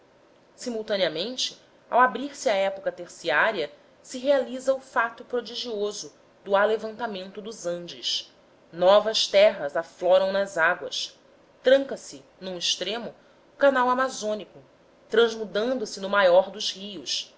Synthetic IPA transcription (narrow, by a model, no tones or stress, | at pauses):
simuwt̪ɐ̃niɐmẽnt͡ʃɪ | a̰wabɾiɾsɪaɛpokɐt̪eχsiaɾiɐ | sɪɦealizɐʊfat̪ʊpɾod͡ʒiʒiozʊ | d̪ʊalevɐ̃nt̪amẽnt̪ʊd̪ʊzɐ̃nd͡ʒɪʃ | nɔvɐʃt̪ɛɦɐzaflɔɾɐ̃w̃nɐzaɡwɐ̰s | t̪ɾɐ̃ŋkɐsɪ | nũiʃt̪ɾẽmʊ | ʊkanawamazõnikʊ | t̪ɾɐ̃zmud̪ɐ̃nd̪ʊsɪnʊmajɔɾd̪ʊzhiʊs